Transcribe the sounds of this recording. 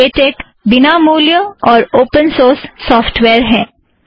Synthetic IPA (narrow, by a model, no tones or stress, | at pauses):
eːʈeːk | bɪnamuːljəɔːɾoːpənsoːɾsːɔːfʈʋeːɾɦɛ̃ː